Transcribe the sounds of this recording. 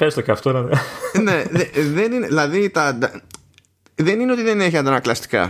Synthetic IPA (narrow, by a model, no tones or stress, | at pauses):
xɐɾist̪oceɐft̪oinɐnneðeðenineðilɐðit̪ɐd̪ɐ | ðe̞nineo̞t̪iðene̞çiɐnd̪ɐnɐklɐst̪i̥kɐ̰